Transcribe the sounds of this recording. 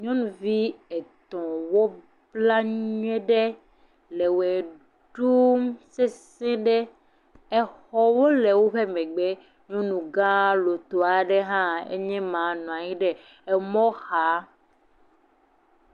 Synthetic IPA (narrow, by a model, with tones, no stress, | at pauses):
ɲɔ̃˦nũ˨vi˦ɛ˨t̪ɔ̃˨wo˦ | bla˦ɲɲɛ̃˦ɖɛ˦ | le˨wɛ˨ | ɖu˦mse˦sɛ̃˦ɖɛ˦ | ɛ˨xɔ˦˨wo˦le˨wo˦ɸe˦mɛ̃˨ɡ͡be˦ | ɲɔ̃˦nũ˨ɡã˦lo˨t̪o˨a˨ɖɛ˦ɦã˦ḛ˦ɲɛ̃˦mã˨nɔ̃˨ã˨ɲĩ˦ɖɛ˦ | ɛ˨mɔ̃˦xa˨˦